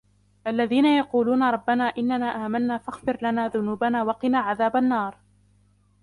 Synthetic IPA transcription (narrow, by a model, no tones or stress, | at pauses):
ʔalːaðiːnajɑquːluːnaɾˤɑbːanaːʔɪnːanaːʔaːmanːaːfaxbɪɾlanaːðʊnuːbanaːwɑqɪnaːʕaðaːbanːɑːɾˤ